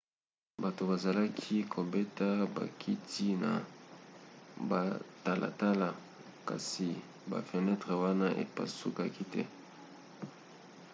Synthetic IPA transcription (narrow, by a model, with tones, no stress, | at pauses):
ba˨to˨ba˨za˨la˦kʰi˦kʰo˨be˦ta˦ba̰˨kʰi˦tʰi˦na̰˨ | ba˨ta˨lʔa̰˨ta˦la˨ | ka̰˨si˨ | ba̰˨fə˨nɛ˦tʁe˨wa˦na˦ʔḛ˨pa̰˨sṵ˦ka˦ki˦tɛ̰˦